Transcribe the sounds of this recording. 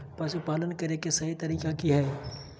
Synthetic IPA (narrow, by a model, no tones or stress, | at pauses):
pɐʃupaːlənkɐɾekesɐɦit̪ɐɾiːkakiɦɛː